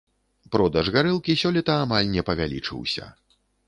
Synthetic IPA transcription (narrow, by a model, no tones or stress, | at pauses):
pɾɔd̪ɐʐɣaɾɨlˠkʲisʲɔlʲit̪ɐamalʲnʲɛpɐvʲalʲḭt͡ʂɨ̰wsʲɐ̰